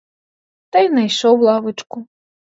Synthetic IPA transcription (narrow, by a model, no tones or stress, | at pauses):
t̪ɐjnɐjʃɔwlˠɑʋɪt͡ʃkʊ